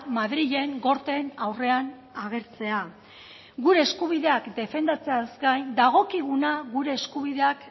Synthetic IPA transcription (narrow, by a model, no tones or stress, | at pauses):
maðɾiʎe̞ŋɡo̞ɾt̪e̞nawre̞an | aɣ̞e̞ɾt͡se̞a | ɣuɾe̞ːskuβ̞iðe̞akd̪e̞fe̞nd̪at͡se̞azɡajnd̪aɣ̞o̞kiɣ̞unaɣuɾe̞ːskuβ̞iðe̞ak